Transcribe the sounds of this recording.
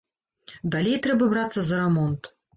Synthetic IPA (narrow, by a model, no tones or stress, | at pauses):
d̪alʲejt̪ɾɛbɐbɾat̪sːɐzɐɾɛmɔnt̪